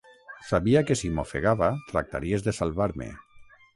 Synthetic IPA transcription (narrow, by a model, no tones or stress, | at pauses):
saβiakesimofḛɣaβat̪ɾa̰k̚t̪a̰ɾiezðesalˠβaɾmḛ